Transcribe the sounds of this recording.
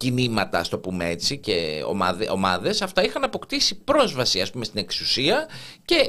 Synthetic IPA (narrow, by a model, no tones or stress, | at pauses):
cinimɐt̪ɐːst̪o̞pume̞e̞t͡siceo̰mɐ̰ðeʔo̞̰mɐðe̞sɐft̪ɐixɐnɐpo̞kt̪isipɾo̞zvɐsiɐspume̞st̪ine̞ksusiɐce̞